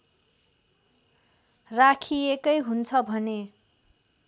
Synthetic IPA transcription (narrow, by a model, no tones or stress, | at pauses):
rakʰiekʌjɦunt͡sʰʌbʱʌne